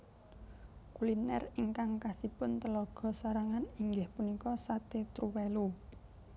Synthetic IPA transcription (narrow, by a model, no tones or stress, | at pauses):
kulinɛ̰riŋkaŋkasipʊnt̪əlɔɡ̥ɔ̤saɾaŋaniŋɡɪhpunikɔsat̪et̪ɾuwelu